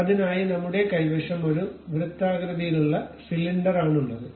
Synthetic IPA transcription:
ɐðinaːjinɐmːuɽe̞kɐjʋɐʂɐmʋɐɻumʋrɨt̪ːaːɡɾɐðijiluɭːɐsiliɳɖɐɾaːɳuɭːɐðɨ

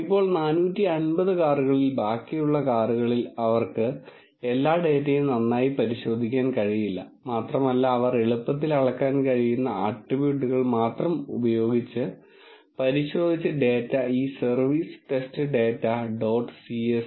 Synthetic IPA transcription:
ipːo̞ːɭnaːnuːtːiɐnbɐðɨkaːruɣɐɭilbaːkːijuɭːɐkaːruɣɐɭilɐʋɐrkɨ | e̞lːaːɖe̞ːtːɐjumnɐnːaːjipɐɾiɕo̞ːd̪ʱikʲːaːnkɐɻijilːɐ̰maːt̪rɐmɐlːaːʋɐreɭupːɐt̪̬ːilɐɭɐkːaːnkɐɻijunːɐaːʈːiʋjuːɖuɣɐɭmaːt̪rɐmṵbɐjo̞ːɡit͡ɕːɨ | pɐɾiɕo̞ːd̪ʱit͡ɕːɨɖe̞ːtːɐiːsɐrʋiːsʈe̞stɨɖe̞ːtːɐɖo̞ːʈːsies

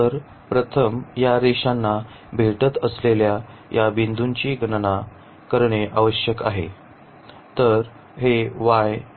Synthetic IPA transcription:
t̪əɾ | pɾət̪ʰəmjaɾeɕanːa | bʱeʈət̪əslelja | jʔabind̪ʱuɲt͡ɕiːɡəɳna | kəɾɳeʔaʋəɕjəkaɦe | t̪əɾ | ɦeʋaj

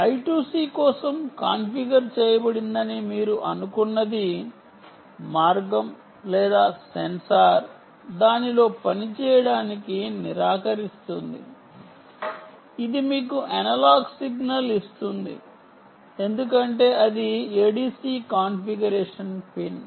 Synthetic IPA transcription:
ɐjʈjuːsiːkɔːsɐmkaːnpiɡɐɾt͡ʃɛːjɐbɐɽind̪ɐnimiːɾuʔɐnukunːɐd̪i | maːɾɡɐm | lɛːd̪aːsensaːɾ | d̪aːnilo̞ːpɐnit͡ʃɛːjɐɽaːnikiniɾaːkɐɾist̪und̪ḭ | id̪imiːkuʔɐnɐlaːɡsiɡnɐlist̪und̪ḭ | e̞nd̪ukɐɳʈe̞ːɐd̪ieːɖiːsiːkaːnpiɡɐɾɛːʂɐnpin

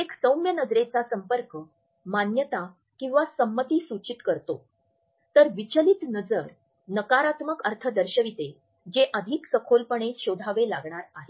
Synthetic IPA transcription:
eksəwmjənəd͡zɾet͡sasəmpəɾkə | manjət̪a | kĩw̃ʋasəmːət̪iːsut͡ɕit̪kəɾt̪o | t̪əɾʋit͡ɕəlit̪nəd͡zəɾ | nəkaɾat̪məkəɾt̪ʰəd̪əɾɕəʋit̪e | d͡ʑeʔəd̪ʱiksəkʰolpəɳ̃eɕod̪ʱaʋelaɡɳaɾaɦe

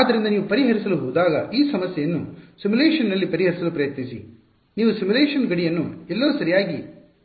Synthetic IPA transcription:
aːd̪ːɐɾind̪ɐniːʋupɐɾiɦɐɾisɐluɦuːd̪aːɡɐʔiːsɐmɐsjɐjɐnːusimuleːʂɐnːɐlːipɐɾiɦɐɾisɐlupɾɐjɐt̪nisḭ | niːʋusimuleːʂɐnɡɐɽijɐnːuɛlːoːsɐɾijaːɡi

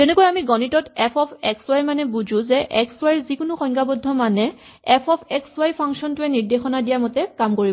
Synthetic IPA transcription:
tɛnɛkɔjamiɡɔnitɔtɛpʰɔpʰɛkswajmanɛbuzʊ̃zɛʔɛkswajɹzikʊnʊxɔŋkabɔdʱːɔmanɛ | ɛpʰɔpʰɛkswajpʰaŋsɔntʊɛniɹdexɔnadijamɔtɛkamkoɹib

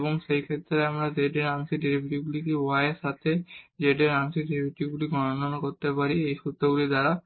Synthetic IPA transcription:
boŋʃejkʰet̪ːɾeamɾad͡ʑeɖeɾaŋsiɖiɾibʱiʈiɡulikewaeʃat̪ʰed͡ʑeɖeɾaŋsiɖiɾibiʈiɡuliɡɔnononakoɾt̪epaɾiejʃut̪ːɾoɡulid̪aɾa

